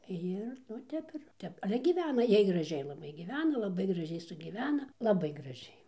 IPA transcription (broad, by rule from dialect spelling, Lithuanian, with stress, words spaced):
ˈjɪr nʊ ˈtʲɛp ɪr ˈtʲɛp ɐlʲɛ ɡʲiːˈʋʲæːnɐ ˈjiɛj ɡrɐˈʒʲɛɪ lˠɐˈbɐɪ ɡʲiːˈʋʲæːnɐ lˠɐˈbɐɪ ɡrɐˈʒʲɛɪ sʊɡʲiːˈʋʲæːnɐ lˠɐˈbɐɪ ɡrɐˈʒʲɛɪ